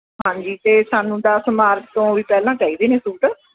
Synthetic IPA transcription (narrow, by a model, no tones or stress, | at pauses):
ɦãːɲd͡ʒiːt̪eːsaːnũːd̪aːsəmaːɾɡt̪õːʋiːpɛːlãːʈaːiːd̪eːneːsuːʈ